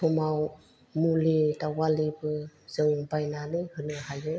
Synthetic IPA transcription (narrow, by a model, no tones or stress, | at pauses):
pʰɔmaw | mulidawalibɯz̥ɯŋbajnanɯhɯnɯɦajɯ